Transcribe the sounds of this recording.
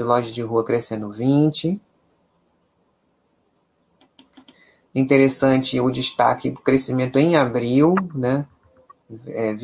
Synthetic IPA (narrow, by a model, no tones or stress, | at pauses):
ɪlɔʒɐd͡ʒɪɦuɐkɾesẽnd̪ʊvĩt͡ʃɪ | ĩnt̪eɾesɐ̃t͡ʃɪʊd͡ʒɪʃt̪a̰kɪd̪ʊkɾesimẽnt̪ʊẽj̃abɾiwnɛ | ɛv